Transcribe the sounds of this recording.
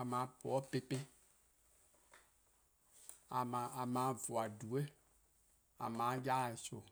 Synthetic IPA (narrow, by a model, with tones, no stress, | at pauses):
a˨mã˨˦po˨ɔ˦pe˦pe˦ | a˨mã˨a˨mã˨˦˨vʊ˨a˨du˨e˦ | a̰˨mã˨˦ja˦˨so˨